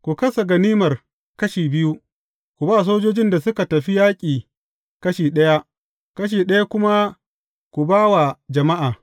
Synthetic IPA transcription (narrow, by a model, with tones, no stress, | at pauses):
kʷu˨kɐ˦sa˨ɡɐ˨niː˦mɐ˨r | kɐ˦ʃiː˨bɪ˦ju˦ | kʷu˨ba˦˨s̬oː˦d͡ʒoː˦d͡ʒɪ˦nda˨sʊ˦ka˨tɐ˨ɸi˦jaː˦kʲʼiː˨ | kɐ˦ʃiː˨ɗɐ˦ja˦ʔ | kɐ˦ʃ̬iː˨ɗɐ˦ja˦kʷʊ˦ma˦ | kʷu˨baː˦wa˨d͡ʒɐ˨ma˦ʔaː˨